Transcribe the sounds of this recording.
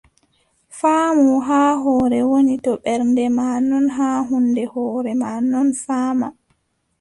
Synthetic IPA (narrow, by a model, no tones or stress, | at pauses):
faːmuɦaːɦɔːɾɛwonitɔɓɛɾndɛmaːnɔnɦaɦundɛhɔːɾɛmaːnɔnfaːma